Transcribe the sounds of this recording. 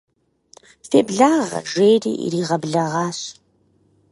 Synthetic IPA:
feːbɮaːʁɐ̰ʒejrḭːʔḭɾiːʁɐbɮɐʁɑːɕ

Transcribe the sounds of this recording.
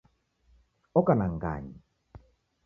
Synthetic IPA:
okanaŋka̰ɲ

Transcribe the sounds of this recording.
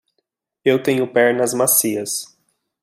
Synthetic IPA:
ewt̪ẽɲʊpɛɾnɐzmasiɐs

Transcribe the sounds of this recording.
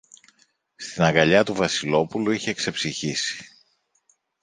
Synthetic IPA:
st̪inɐŋɡɐʎɐt̪uvɐsilo̞puluiçe̞kse̞psiçisi̥

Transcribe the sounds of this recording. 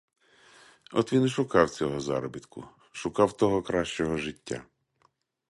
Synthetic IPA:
ɔt̪ʋʲinʃʊkɑwt͡sʲɔɦɔzɑ̰ɾɔbʲit̪kʊ̰ | ʃʊkɑwt̪ɔɦɔkɾɑʃt͡ʃɔɦɔʒɪtʲːa̰

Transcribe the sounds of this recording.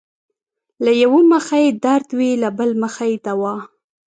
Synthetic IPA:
lajawoməxajed̪aɾd̪wilabəlməxajed̪awɑ

